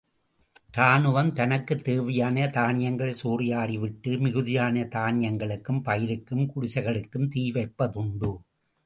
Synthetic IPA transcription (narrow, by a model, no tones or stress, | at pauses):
t̪aːnɯʋɐnt̪ɐnɐkːɯt̪ːeːʋɐjaːnɐt̪aːnɪjɐŋɡɐɭɐsuːrɪjaːɽiʋɪʈːɯmɪɣɯðɪjaːnɐt̪aːnɪjɐŋɡɐɭɯkːɯmpɐjɪɾɯkːɯmkʊɽʊsɐɪɣɐɭɯkːɯmt̪iːʋɐɪpːɐðɯɳɖɯ